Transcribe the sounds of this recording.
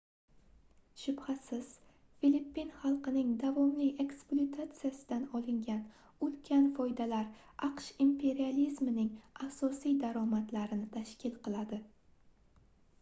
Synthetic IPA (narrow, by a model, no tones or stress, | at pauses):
ʃʊbhat̪sɪz̥ | filipːinχɑlˠqɨnɪŋd̪avɒmlɪʔe̞ksplˠot̪ʰat̪sɨjasɪd̪anɒlˠɪŋɡʲan | ʊlkʲʰanfɒjd̪alaɾ | ʔɑqʃimpʰe̞ɾializmɪnɪŋasɒsijd̪aɾɒmat̪laɾɪnɪt̪ʰaʃkʲʰɪlˠqʰɨlˠad̪ɪ